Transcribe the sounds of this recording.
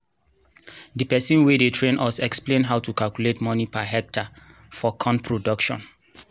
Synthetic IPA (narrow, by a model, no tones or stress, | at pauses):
dipɛsĩnwedetʰɹẽnʔɔsɛksplẽnɦaʊtukalkuletmɔ̃nipaɦɛk̚tʰa | fɔkʰɔ̃npʰɹodɔkʃɔ̰̃n